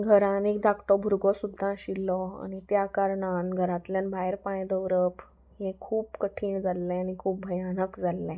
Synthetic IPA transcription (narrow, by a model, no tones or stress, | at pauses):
ɡʱəɾãnek̚d̪akʈɔbʱuɾɡɔsud̪ʱːãɕilːɔa̰ñit̪jakaɾɳanɡʱəɾãt̪ljanbʱaeɾpãjd̪əʋɾəp | ɦẽkʰuːpkəʈʰiːɳd͡zalːɛanikʰuːp̚bʱəjanəkd͡zalːɛ̃